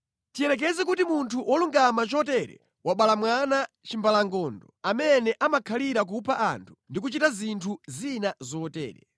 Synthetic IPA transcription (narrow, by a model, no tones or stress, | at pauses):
tiɛɾɛk̬ɛzɛk̬utimuntʰuwʔɔluŋɡamat͡ʃɔt̬ɛɾɛ̰ | waɓalamwana | t͡ʃimbalaŋɡɔndɔamɛnɛʔamakʰaliɾak̬upʰaʔa̰ntʰu̥ndikut͡ʃitazintʰuzinazɔːtɛ̰ːɾɛ̰